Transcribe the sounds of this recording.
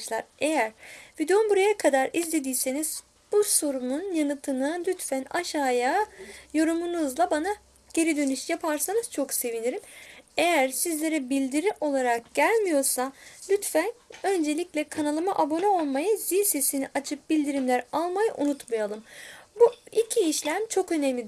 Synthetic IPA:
ʃlˠaɾe̞jæɾvid̪eumbuɾajakʰad̪aɾizlʲe̞d̪iːse̞niz̥ | b̥uso̞ɾumunjanɯt̪ʰɯnɯlʲyt̪fænaʃaːjajo̞ɾumunuzlˠabana | ɟ̥e̞ɾid̪ø̞nyʃjapʰaɾsanɯz̥t͡ʃʰo̞kse̞viniɾime̞jæɾsizlʲe̞ɾɛbilʲd̪iɾiʔo̞lˠaɾak̚ɟ̥ælʲmijo̞ɾsalʲyt̪fænø̞nd͡ʒe̞lʲiclʲɛkʰanalˠɯmaʔabo̞nɛo̞lˠmajɯz̥isesiniʔat͡ʃʰɯp̚b̥ilʲd̪iɾimlʲæɾalˠmajɯ̰ʔunut̪majalˠɯmbuicʰiːʃlʲæmt͡ʃʰo̞kø̞nemlʲid̪

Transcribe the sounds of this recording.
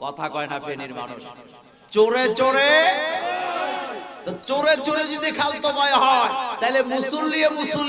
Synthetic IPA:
kɔt̪ʰakɔenapʰeniɾma̰nṵʃ | t͡ɕoɾet͡ɕoɾe | t̪t͡ɕoɾet͡ɕoɾed͡ʑod̪ikʰalt̪okɔeɦɔet̪aɦjlemusulːiemusul

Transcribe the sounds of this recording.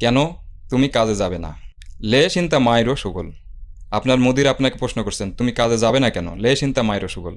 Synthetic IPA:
kɛnot̪umikad͡ʑed͡ʑabena̰ | leʃint̪amajɾoʃoɡolapnaɾmod̪iɾapnake̥pɾoʃnokoɾsʰent̪umikad͡ʑed͡ʑabenakɛno̰leʃint̪amajɾoʃoɡol

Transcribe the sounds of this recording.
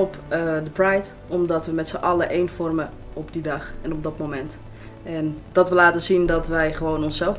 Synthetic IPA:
ɔp | dəprajt | ɔmdɔtʋəmɛtsəʔɑləʔejnfɔrmə | ɔpdidɑχɛnɔb̚dɔtmomɛnt | ɛndɔtʋəlaːtəzindɔtʋɛjχəʋownɔnsɛlˠf

